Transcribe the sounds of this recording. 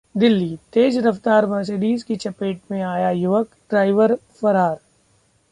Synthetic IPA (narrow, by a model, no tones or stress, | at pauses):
d̪ɪlːiːt̪eːd͡ʒɾɐft̪aːɾʋɐ̃ːseːɖiːzkit͡ʃɐpeːʈmẽaːjajʊʋəkɖɾaːɪʋəɾfɐɾaːɾ